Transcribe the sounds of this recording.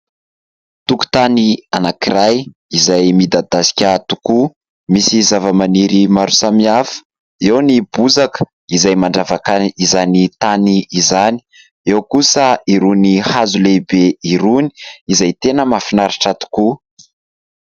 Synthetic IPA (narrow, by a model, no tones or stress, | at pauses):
t̪uku̥t̪anianakiɾaj | izajmid̪ad̪asi̥kʲət̪u̥ku | misizavəmaniɾimaɾusamiafə̥ | ewnibuzakə̥ | izajmaɳɖ͡ʐavakaizanit̪aniizani̥ | ewkusəiɾunihazulebeiɾuni̥izajt̪enəmafinaɾaʈ͡ʂat̪u̥ku